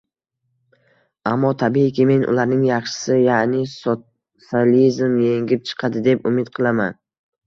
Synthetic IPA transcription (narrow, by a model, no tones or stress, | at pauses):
amːɒt̪ʰabikʲʰɪme̞nʔʊ̰laɾnɪŋjɑχʃɪ̥sɪjanɪso | salizmje̞ŋɡʲɪp̚t͡ʃʰɨ̥qʰɑd̪ɪd̪e̞pʊmɪt̪qʰɨlˠaman